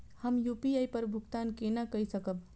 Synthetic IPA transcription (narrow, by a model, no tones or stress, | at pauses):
həmjupiajpəɾbʱuɡt̪aːnkenakəisəkəb̚